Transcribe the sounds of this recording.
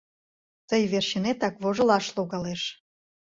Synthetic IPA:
t̪əjβerɕinet̪ɑkβoʒə̆lɑʃloɣɑleʃ

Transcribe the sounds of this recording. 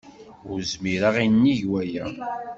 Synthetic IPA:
ʊɾzmiɾaʁinːiʝwæjæ

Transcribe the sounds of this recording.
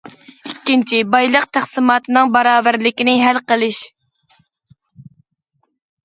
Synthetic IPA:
ikʲːint͡ʃʰibɑjlˠəqt̪ʰæχsɨmɑːt̪ʰɨnɨŋbɑɾɑːvæɾlɪkʲinɪɦælqəlˠɨʃ

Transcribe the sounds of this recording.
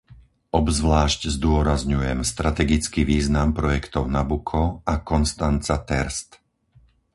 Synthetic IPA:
ɔbzʋlaːʃczd̪ʊɔɾazɲujɛmst̪ɾat̪ɛɡit͡skiʋiːznampɾɔjɛkt̪ɔʊnabukʰɔakɔnst̪ant͡sat̪ɛɾst̪

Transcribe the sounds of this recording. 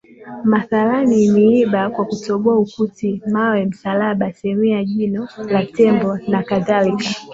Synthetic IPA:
maθaɾaniniiɓakwakutɔɓɔaukutimawɛm̩salaɓasɛmiaʄinɔlatɛmbɔnakaðalika

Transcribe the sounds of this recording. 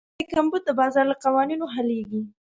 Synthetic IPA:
ekambud̪̚d̪əbɑzɑɾlaqawɑninoɦaleɡi

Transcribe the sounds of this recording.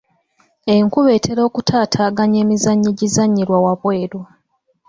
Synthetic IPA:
eŋkuβe̞ːtʰe̞ɾo̞ːkutʰaːtʰaːɡaɲe̞ːmizaɲːiɟizaɲːiɾwawaβwe̞ːɾwa

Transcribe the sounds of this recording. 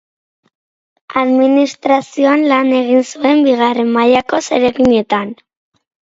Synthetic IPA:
aðminist̪ɾasio̞anlane̞ɣ̞insue̞mbiɣ̞are̞mmajako̞se̞ɾeɣiɲe̞t̪an

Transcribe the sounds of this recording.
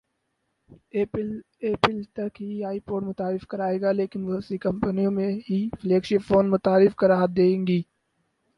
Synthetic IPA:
eːpɪlt̪ɐkɦiaːipoːʈmʊt̪aːɾɪfkɐɾaːeːɡaːleːkɪnʋʊəsikɐ̃mpənijõmẽɦifleːkʃɪpfoːnmʊt̪aːɾɪfkɐɾaːɦət̪̚d̪eːẽŋɡiː

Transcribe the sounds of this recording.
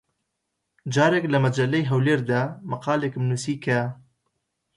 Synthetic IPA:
d͡ʒɑːɾeklɐmɐd͡ʒɐlːejɦɐwleːɾd̪aːmɐqɑːlekmnusiːkʰɐ

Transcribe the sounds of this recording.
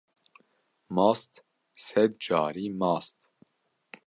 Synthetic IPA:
mɑːst̪ | sɛd̪d͡ʒɑːɾiːmɑːst̪

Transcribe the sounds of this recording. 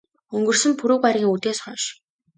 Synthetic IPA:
ɵŋɡɵ̆rsɘ̆mpʰɵɾŭːkaɾʲɣʲiːŋut̪eːsχœːʃ

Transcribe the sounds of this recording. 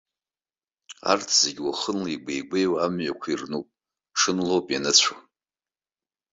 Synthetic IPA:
a̰rtʰz̥eɡʲwaχənliiɡʷejɡʷejwaamɥakʷʰairnupʼ | ʂɨnlowpʼjanɨt͡ɕʷʰa

